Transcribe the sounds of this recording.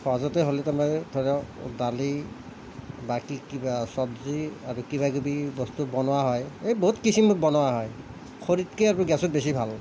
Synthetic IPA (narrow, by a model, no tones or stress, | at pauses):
xɔazɔtɛɦolɛtamajdʰʱɔɾadali | bakikibasɔdziaɹukibaɡubibɔstubɔnowaɦɔjejboɦutkisʰimut̚bɔnowaɦɔj | xʰoɹitkejaɹɔɡɛsɔt̚bes̬ibʱal